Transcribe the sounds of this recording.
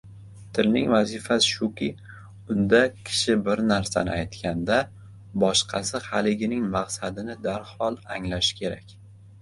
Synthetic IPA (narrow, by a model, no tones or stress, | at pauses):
t̪ʰɪlnɪŋvazifasɪʃʊkʲɪ | ʊnd̪akʲʰɪ̥ʃɪbɪɾnaɾsa̰nɪ̰ajt̪kʲand̪a | bɒʃqʰɑsɪhalɪɡʲɪnɪŋmaqsad̪ɪnɪd̪aɾhɒlˠaŋlaʃɪ̥kʲʰe̞ɾa̰kʲ